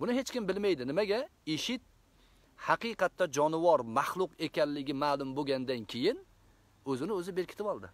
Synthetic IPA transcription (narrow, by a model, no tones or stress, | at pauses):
bʊnɪɦe̞t͡ʃkʲɪmbɪlmajd̪ɪnɪmaɡʲaeʃɪt̪̚ | hɑqɨjqɑt̪ːad͡ʒɒnɪvɒɾmɑχlˠʊqe̞kʲanlɪɡʲɪmaːlˠʊmboɡʲand̪ankʲʰe̞jɪn | ɵzɪnɪɵzɪbe̞ɾkʲʰɪ̥t̪ɪpɒlˠd̪ɪ